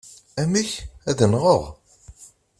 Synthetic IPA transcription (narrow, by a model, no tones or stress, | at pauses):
æmiçæðənʁəʁˤ